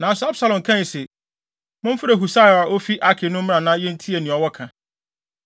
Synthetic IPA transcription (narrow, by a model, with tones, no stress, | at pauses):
nã˨sʊ˨˦a˦bsa˨lɔ̃˨ŋkʰã˦ɲ˨se˨ | mʊ̃˦m̩˦fʊ˦ɾe˨ɦu˨sa˦˨a˨ʔo˦fi˦ʔa˦kʰɪ˨nʊ̃˦m̩˦ã˨nã˦jɛ˦n̩˦tʰi˦e˨nĩ˨ɔ˨wɔ˦kʰã˨